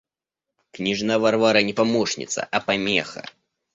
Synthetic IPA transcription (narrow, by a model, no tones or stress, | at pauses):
knʲiʐnavarvaɾɐnʲɛpamɔʂnʲḭt̪sɐ̰ʔɐpamʲɛ̰xɐ̰